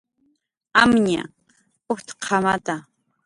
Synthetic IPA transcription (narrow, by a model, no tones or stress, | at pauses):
amɲa̰ | ʊht̪qʰɑmat̪a